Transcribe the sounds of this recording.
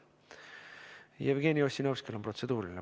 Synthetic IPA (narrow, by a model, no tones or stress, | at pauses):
jevɡ̥eːnʲiosʲinowskelomprot̪se̞d̪̥uːɾilʲine